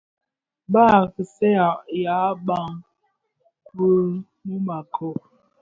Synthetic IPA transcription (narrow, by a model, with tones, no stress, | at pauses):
baː˦˨kə˨sɛ˦ja˨ʔja˨˦ba˦ŋ | kə˦ | mə˦ma˨kʰo˨